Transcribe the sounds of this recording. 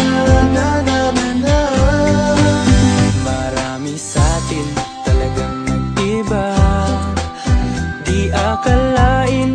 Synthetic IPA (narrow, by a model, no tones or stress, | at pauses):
nanamna | mɐɾaːmisaːt̪ɪnt̪ɐlɐɡaŋnɐɡ̚ʔɪba | d̪iʔakɐlaʔɪn